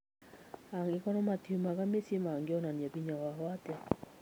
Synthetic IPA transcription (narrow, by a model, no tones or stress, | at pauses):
aŋɡɪkɔnɔmat̪iumaɡamesimaŋɡeɔnaniabiɲawaɦwat̪a